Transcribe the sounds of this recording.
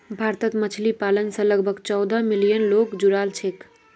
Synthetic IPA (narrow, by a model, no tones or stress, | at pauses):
bʱaɾt̪ət̪mət͡ʃʰlipalənsə̃ləɡbʱəɡt͡ʃɔwd̪ʱəmilijənlokd͡ʒuɾalt͡ʃʰek